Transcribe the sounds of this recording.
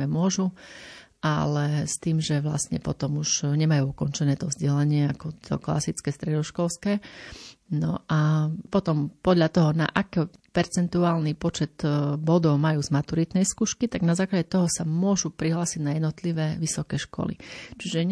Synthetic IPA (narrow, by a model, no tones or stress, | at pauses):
ɛmʊɔʒu | ʔa̰lɛst̪iːmʒɛʋla̰stɲɛpɔt̪ɔmuʒɲɛmajuːukɔnt͡ʃɛnɛːt̪ɔvzɟɛlaɲɪɛakɔt̪ʰɔ̰kla̰sit͡skɛːst̪ɾɛd̪ɔʃkɔlskɛː | nɔʔapɔt̪ɔmpɔd̪ʎat̪ɔɦɔna̰ʔakɛpɛɾt͡sɛnt̪uaːlnipɔt͡ʃɛt̪bɔd̪ɔʊmajuːzmat̪uɾit̪nɛjskuːʃkit̪aɡnazaːklaɟɛt̪ɔɦɔsamʊɔʒupɾiɦlaːsiɟnajɛd̪nɔt̪liʋɛːʋisɔkɛːʃkɔ̰lḭt͡ʃiʒɛ